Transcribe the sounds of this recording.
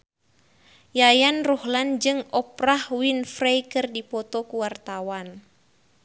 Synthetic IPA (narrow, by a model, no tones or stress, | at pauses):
jajanruhland͡ʒɨŋɔprahwinfrejkɨrdipɔt̪ɔkuwart̪awan